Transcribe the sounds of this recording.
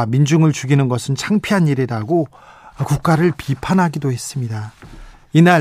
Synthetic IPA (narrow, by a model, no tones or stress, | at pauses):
mind͡ʑuŋɯɭt͡ɕuɡinɯnɡʌsʰɯnt͡ɕʰaŋpʰiɦaniɾedaɡo | kuk̚k͈aɾɯɭpipʰanɦaɡidoɦe̞s͈ɯmɲida | ina